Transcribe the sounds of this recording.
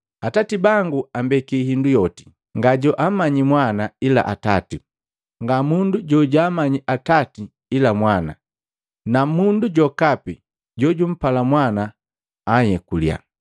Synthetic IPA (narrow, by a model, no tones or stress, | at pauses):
atatibaŋɡuambɛkihindujɔti̥ | ŋɡaɟɔʔamaɲimwanaila̰ʔatati | ŋɡamunduɟɔɟaːmaɲiʔatati | ilamwana̰ | namunduɟɔkapi | ɟɔɟum̩palamwanaː | jɛkulja̰